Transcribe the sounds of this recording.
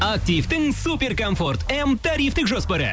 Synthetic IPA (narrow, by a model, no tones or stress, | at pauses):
ɐk̚t̪ʲift̪ɨŋsupʲeɾkɐmfort̪ɛmt̪ɐɾʲift̪ɨkʒɔspɐɾɐ̰